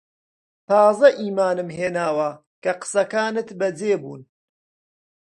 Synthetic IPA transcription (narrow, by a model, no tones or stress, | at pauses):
t̪ʰɑːzɐʔiːmaːnɨmɦeːnaːwɐ | kɐqə̥sɐkaːnɨt̪bɐd͡zeːbṵːn